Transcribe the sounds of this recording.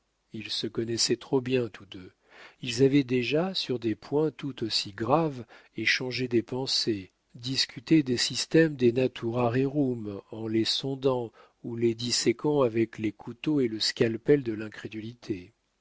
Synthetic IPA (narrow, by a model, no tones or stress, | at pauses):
ilsəkɔnɛsɛt̪χobjɛ̃t̪ud̪ø | ilzavɛd̪eʒasyʁd̪epʰwɛ̃t̪ut̪osiɡʁaveʃɑ̃ʒed̪epɑ̃se | d̪iskʲyt̪ed̪esist̪ɛmd̪enat̪ʰuʁaʁeʁumɑ̃lesɔ̃d̪ɑ̃ | uled̪isɛkɑ̃avɛklekʰut̪oeləskʲalpɛld̪əlɛ̃kχed̪ylit̪ʰe